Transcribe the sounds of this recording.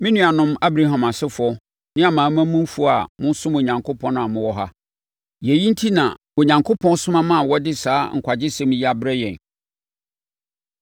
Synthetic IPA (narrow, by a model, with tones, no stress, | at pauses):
mɪ̃˦nũ˦a˨nʊ̃˦ma˦bɾa˦ɦã˨ma˨sɪ˦fʊ˦ɔ˦ | nɪ̃˦a˨mãː˨˦mã˦mũ˦m˦fu˦˨a̰˨mʊ̃˦n˦sʊ̃˦mo˨ɲã˨ŋkʰo˦pʰɔ̃˦ñ˦a˨mʊ̃˦wɔ˦ɦa˦ | je˨ji˦n̩˦tʰi˦nã̰˨ | o˨ɲã˨ŋkʰo˦pʰɔ̃˦n˦sʊ̃˦mã˦mã˦˨wɔ˦dɪ˦saː˦ŋ̩˨kʷʰa˨d͡ʑɪ˦sɛ̃˦m˦ji˦a˦bɾɛ˦jɛ̰̃˨n